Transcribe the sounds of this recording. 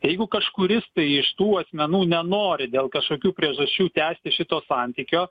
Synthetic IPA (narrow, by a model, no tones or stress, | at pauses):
jɛɪɡʊkɐʃkʊɾʲɪst̪ɐɪɪʃt̪uːɐsʲmʲɛnuːnʲɛnoːɾʲɪd̪ʲeːlˠkɐʃkoːkʲuːpʲɾʲiɛʒɐsʲt͡ʃʲuːt̪ʲæːsʲt̪ʲɪʃʲɪt̪oːsɑnʲt̪ʲiːkʲoː